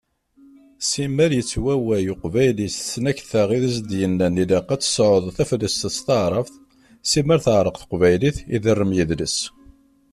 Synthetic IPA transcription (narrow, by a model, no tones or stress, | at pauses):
simːæɾjət͡sːwæwæjuqvæjlist͡sːnæçθæʁiðæz̬d̪jənːænilɑqːæt͡sːə̥sʕʊðˤθæfəlːəst̪əst̪əʕɾˤəfθ | siməɾθəʕɾˤəqθə̥qvæjliθḭðərːəmjəðləs